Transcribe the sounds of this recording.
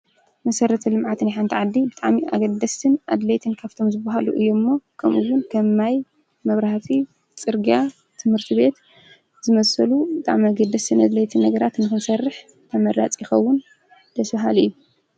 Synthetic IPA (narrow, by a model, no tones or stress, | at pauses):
mɐsɐɾɐt̪ʰɐlɨmʕat̪nijħant̪ʰiʕad̪ːibɨt̪ʼaʕmiʔa̰ɡɐd̪ːɐst̪ʰɨnʔa̰d̪lɐjt̪ʰɨnkʰaβt̪ʰo̞mzɨbaɦalṵʔɨjːomːokʰɐmʔɨwʊnkʰɐmːaj | mɐβɾɐhafʰi | t͡sʼɨɾɡia | t̪ʰɨmhɨɾt̪ʰiβe̞t̪ | zɨmɐsɐlubɨt̪ʼa̰ʕmiaɡɐd̪ːɐst̪ʰɨnad̪lɐjt̪ʰɨnːɐɡɐɾat̪nɨkɨnsɐrːɨħ | t̪ʰɐmɐɾa̰t͡sʼjɪxɐwːʊn | d̪̥ɐsbaɦalɨjːu